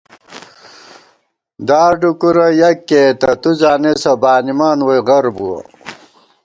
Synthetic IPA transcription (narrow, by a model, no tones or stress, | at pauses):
d̪aːɖukuɾɐjɐkːeːt̪ɐt̪uzaːnesɐbaːnimaːnwijʁɐɾbuɐ̰